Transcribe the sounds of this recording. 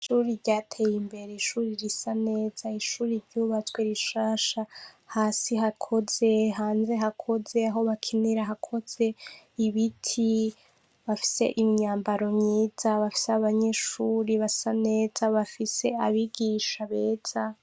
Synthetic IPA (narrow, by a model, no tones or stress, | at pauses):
iʃuːɾiɾɟatʰe̞jimbe̞ɾeiʃuːɾiɾisane̞ːz̥aiʃuːɾiɾɟuːβat͡sweɾiʃaːʃa | haːsiɦakʰo̞ze̞ɦaːnze̞ɦakʰo̞ze̞aɦo̞βakʰiniɾaɦakʰo̞z̥e̞iβitʰi | βafi̥se̞̰ʔimiɲaːmbaɾo̞mɲiːz̥aβafi̥seaβaɲe̞ʃuːɾiβasane̞ːzaβafise̞aβiɡiʃaβeːz̥a